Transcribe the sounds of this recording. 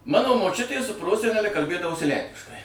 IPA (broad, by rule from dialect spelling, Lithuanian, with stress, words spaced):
ˈmɑːnoː moːˈt͡ʃʲʊtʲeː sʊ ˈproːsʲɛnʲɛlʲɛ kɐlʲˈbʲeːdɐʋoːsʲɪ ˈlʲɛŋʲkʲɪʃkɐɪ